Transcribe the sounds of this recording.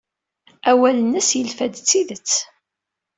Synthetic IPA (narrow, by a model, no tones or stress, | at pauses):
æwælənːəsjəlfæd̪t͡sːiðət͡sː